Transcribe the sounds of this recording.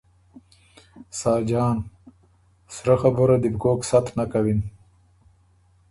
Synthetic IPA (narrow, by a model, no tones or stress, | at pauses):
saːd͡ʒɑːn | sɾaxaboɾad̪ibkoːksat̪nakawin